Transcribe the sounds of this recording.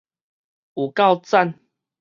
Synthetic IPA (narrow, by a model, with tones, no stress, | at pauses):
u˨˩ka˥˧wt͡sa˥˧n